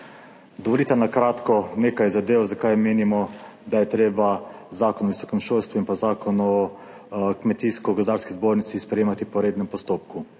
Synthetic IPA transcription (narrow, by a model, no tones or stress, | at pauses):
d̪ɔʋɔliːt̪anakɾaːt̪kɔneːkajzad̪eːʋɔzakajmeːnimɔ | d̪ajɛt̪ɾeːbazaːkɔnɔʋisɔkɛmʃolst̪ʋuinpazaːkɔnɔ | kmɛt̪iːskɔɡɔzd̪aːɾskizboɾnit̪sispɾɛjeːmat̪ipɔɾeːd̪nɛmpɔst̪oːp̚ku